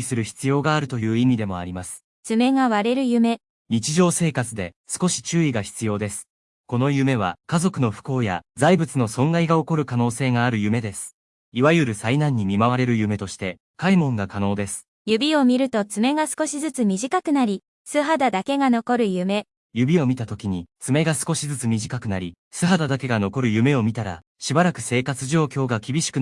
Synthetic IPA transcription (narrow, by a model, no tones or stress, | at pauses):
isɨɾɯ̟çi̥t͡sɨjo̞ːɡaːɾɯ̟t̪o̞jɯ̟ːimʲid̪e̞mo̞a̰ɾʲimasɨ̥ | t͡sɨme̞ŋaβaɾe̞ɾɯ̟jɯ̟me̞ | ɲʲit͡ɕiʑo̞ːse̞ːkat͡sɨd̪e̞̰sɨ̥ko̞ɕi̥t͡ɕɨːiɡaçi̥t͡sɨjo̞ːd̪e̞sɨ̥ | ko̞no̞jɯ̟me̞β̞a̰kazo̞kɯ̟no̞ɸɯ̥ko̞ːja̰zaibɯ̟t͡sɨno̞sõ̞ŋɡaiɡao̞ko̞ɾɯ̟kano̞ːse̞ːɡaːɾɯ̟jɯ̟me̞d̪e̞sɨ̥ | iβajɯ̟ɾɯ̟sainãɲ̟ːimʲimaβaɾe̞ɾɯ̟jɯ̟me̞t̪o̞ɕi̥t̪e̞ | kaimõ̞ŋɡakano̞ːd̪e̞sɨ̥ | jɯ̟bʲio̞mʲiɾɯ̟t̪o̞t͡sɨme̞ɡasɨ̥ko̞ɕizɨt͡sɨmʲiʑikakɯ̟naɾʲi | sɨɦad̪ad̪ake̞ɡano̞ko̞ɾɯ̟jɯ̟me̞ | jɯ̟bʲio̞mʲit̪at̪o̞kʲiɲ̟it͡sɨme̞ɡasɨ̥ko̞ɕizɨt͡sɨmʲiʑikakɯ̟naɾʲi | sɨɦad̪ad̪ake̞ɡano̞ko̞ɾɯ̟jɯ̟me̞o̞mʲit̪aɾa̰ | ɕibaɾakɯ̟̥se̞ːkat͡sɨʑo̞ːkʲo̞ːɡakʲibʲiɕi̥kɯ̟